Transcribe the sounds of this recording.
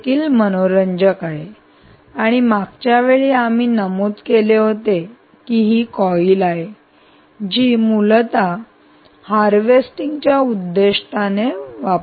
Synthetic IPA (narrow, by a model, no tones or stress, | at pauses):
kiːlmənoɾəɲd͡ʑəkaɦe | aɽ̃imakt͡ɕjaʋeɭiːam̤iːnəmuːt̪keleɦot̪e | kiːɦiːkɔiːlaɦe | d͡ʑiːmult̪a | haɾʋesʈiŋɡt͡ɕjaud̪ːeʂʈ̪aneʋap